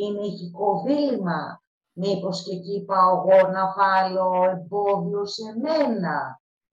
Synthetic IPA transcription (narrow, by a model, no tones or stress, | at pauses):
iniçiko̞vilimɐ | mipo̞scecipɐoɣo̞nɐfaloemboðio̞se̞menɐ